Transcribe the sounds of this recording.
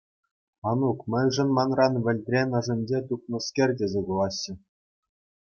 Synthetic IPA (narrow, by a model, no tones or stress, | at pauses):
ɑnukmʲɘ̆jʲʐɤ̆nmɑnrɑnʋʲɘ̆lʲt̪ʲrʲenʲɑ̆ʐɘ̆mʲd͡ʑet̪up̚nɤ̆skʲerʲdʲezʲekulˠɑɕːɘ̆